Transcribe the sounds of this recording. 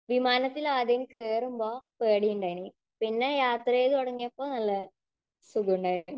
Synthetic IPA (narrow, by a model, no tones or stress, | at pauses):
ʋimaːnɐt̪ːilaːd̪ɐŋkeːrumboːpeːɽijuɳɖaːjni | pinːejaːt̪rɐeːðɨoɽɐŋːijɐpːoːnɐlːɐ | suɡuuɳɖaːj